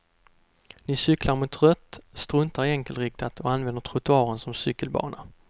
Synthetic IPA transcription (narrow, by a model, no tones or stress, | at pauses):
nɪsʏklaɾmʊt̪ɾœt̪ːst̪ɾɵnt̪aɾɪɛŋkəlɾɪk̚t̪ʰat̪ʰɔanvɛnd̪əʈ̪ʰɾʊt̪ɵɑːɾənsɔmsʏkːəlbɑ̰ːɳa